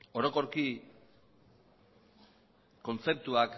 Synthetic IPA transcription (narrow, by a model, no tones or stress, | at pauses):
o̞ɾo̞ko̞ɾki | ko̞nt͡se̞p̚t̪uak